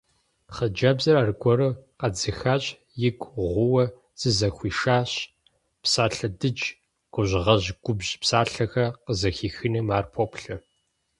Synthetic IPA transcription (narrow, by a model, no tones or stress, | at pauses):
χɐd͡ʒɐbzɐɾaːrɡʷɔɾɨqɐd͡zɨxaːɕʼ | jɪɡʷʁʷʊwɐ | z̥ɨzɐxʷiːʃaːɕ | psaːɬɐdɨd͡ʒ | ɡ̥ʷʊʑʷʁɐʑɡ̥ʷʊbʑpsaːɬɐxɐqəzɐxiːxɨnɨmaːrpʰoːpɬɐ